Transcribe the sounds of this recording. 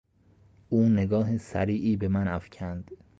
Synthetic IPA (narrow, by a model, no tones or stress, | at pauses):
ʔuːneɡɒːɦesæɾiːʔiːbe̞mænæfcʰænd̪̥